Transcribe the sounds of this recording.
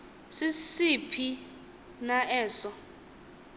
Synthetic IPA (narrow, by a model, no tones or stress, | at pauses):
sisipʰi | naʔɛːsɔ